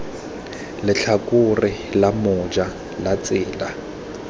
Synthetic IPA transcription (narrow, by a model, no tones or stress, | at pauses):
lɪt͡ɬʰakʼʊrɪlamɔd͡ʒa | lat͡sʼɪːla